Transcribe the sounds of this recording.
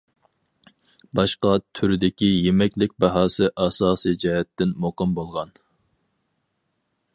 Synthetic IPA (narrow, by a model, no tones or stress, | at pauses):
bɑʃqɑt̪ʰyɾɪd̪ɪkʲijemɛkʲlɪk̚ʲbɑɦɑːsɨʔɑsɑːsid͡ʒɛɦɛt̪ːɪnmoqɨmbolˠʁɑn